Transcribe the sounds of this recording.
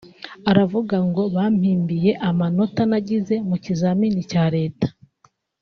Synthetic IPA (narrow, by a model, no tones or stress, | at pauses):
aɾavuɡaŋɡo̞βaːm̥hiːmbije̞ʔamano̞tanaɟize̞mucizamiːnicaːɾe̞ːtḁ